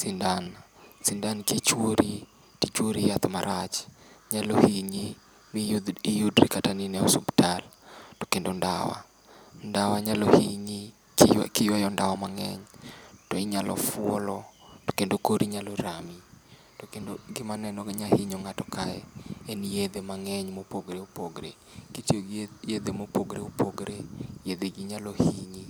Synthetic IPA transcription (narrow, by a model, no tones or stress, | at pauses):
sindan | sindankit͡ʃwoɾi | tit͡ʃwoɾijat̪ɔmaɾʔat͡ʃɲalohiɲi | mijuijudɾikataninɛɔsubtaltɔ̥kendonda̰wa̰ | ndawaɲalohiɲi | kɪjwajɔndawɔmaŋɛ̰ɲtɔiɲalʔɔ̰fʊɔlɔto̥kendokoɾiɲalɔɾami | tokendoɡɪmanɛnɔɲahiɲoŋatɔkaɛɛnjed̪emaŋɛɲmopoɡɾeopoɡɾḛ | kitjojed̪emopoɡɾeupʰoɡɾejed̪eɡiɲalohiɲi